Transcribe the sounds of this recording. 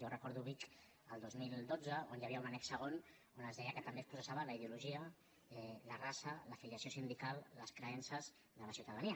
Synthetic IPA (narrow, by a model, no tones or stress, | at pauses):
ʒowrəkɔɾðuβik | əlˠd̪ozmilˠd̪od͡zəonjaβiəunanɛksəɣ̞on | onəzðɛjəkət̪əmbespɾusəsaβələiðiuluʒiə | ɛlərasələfiliəsijosind̪ikalˠːəskɾəɛnsəz | ðələsiwt̪əðəniə